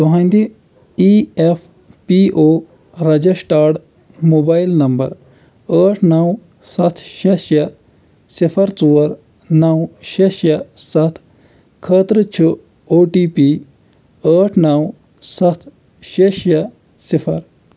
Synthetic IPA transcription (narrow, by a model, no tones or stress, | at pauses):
t̪uɦɐ̃nd̪i | ief | piʔoː | ɾɐd͡ʒɐsʈaːʈ | moːbaːjlnɐmbɐ̰ɾ | əːʈʰnɐw | sɐt̪ʰʃeʃjɐ | sifʰɐɾt͡suːɐɾ | nɐwʃeʃjɐsɐt̪ʰ | kʰəːt̪ɾət͡ʃʰu | oːʈiːpiː | əːʈʰnɐw | sɐt̪ʰ | ʃeʃjɐ | sifʰɐɾ